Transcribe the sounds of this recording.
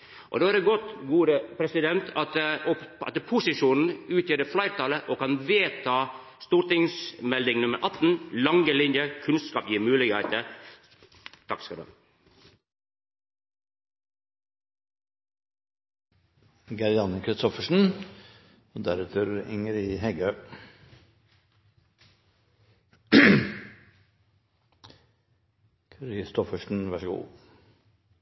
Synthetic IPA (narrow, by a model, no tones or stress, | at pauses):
ʔɔ̰d̪oːæɾɛɡɔt̪ɡuːɾəpʰɾɛsɪd̪ɛnt̪ʰɑt̪ɔɑ̰t̪əpʰʊsɪʂuːnn̩ʉːt̪jəːdɖɛflæɪɾt̪ʰɑləʔokɑnʋeːt̪ʰɑː | st̪uːʈɪŋsmɛld̪ɪŋnʉməɾʔɑt̪ːn̩lɑŋəlɪnjəkʰʉnskɑːpjiːɾmʉːlɪkhæɪt̪əɾ | t̪ʰɑkskɑld̪ø̰ː | ɡɑɾjɑnəkʰɾɪst̪ɔfəʂn̩ | oːd̪æɾʉːt̪ʰəɾɪ̰ŋəɾiːɦɛɡœ | kʰɾɪst̪ɔfəʂn̩ʋæʂəɡṵː